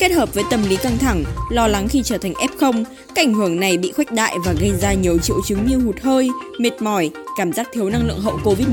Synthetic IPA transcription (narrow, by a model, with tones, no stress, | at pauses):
ke˦˥t̚həː˨˩p̚vəː˨˦jt̪ə˨˩mli˨˦ka˧ŋt̪ʰa˧˩ŋlɔ˧la˨˦ŋxi˧t͡ɕəː˧˩t̪ʰa˨˩ŋ̟ʔɛ˦˥p̚xə˧wŋ͡m | kaː˦˥ʔa˧˩ŋ̟ɦɨ˧˩əŋna˨˩jɓḭ˧˨xwa˦˥jk̚ɗa̰ː˧˨jvaː˨˩ɣə˧jzaː˧ɲi˨˩əwt͡ɕḭ˧˨əwt͡ɕɨ˨˦ŋɲɨ˧hu˨˩t̚həː˧jme˨˩t̚mɔ˧˩jkaː˧˩mzaː˦˥k̚t̪ʰi˨˦əwna˧ŋlɨ̰˧˨əŋɦə̰˧˨wko˧vi˦˥t̚